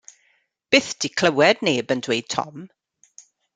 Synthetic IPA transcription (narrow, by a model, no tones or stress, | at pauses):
b̥ɪːθd̥ikʰl̥ˠəwɛdneːbəndwejd̥̚tʰɔ̰m